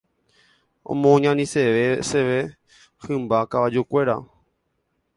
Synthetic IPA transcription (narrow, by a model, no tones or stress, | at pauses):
õ̰mõɲãnĩseʋeseʋe | hɨ̃mbakaʋad͡ʒukʷe̞ɾa